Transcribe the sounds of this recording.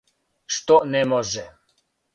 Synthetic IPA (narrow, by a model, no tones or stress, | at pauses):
ʃt̪ɔnɛmɔʒɛ